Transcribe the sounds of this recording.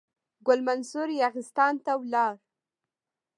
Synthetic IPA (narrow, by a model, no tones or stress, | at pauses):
ɡʊlmansʊɾjɑɣɪst̪ɑnt̪awlɑɾ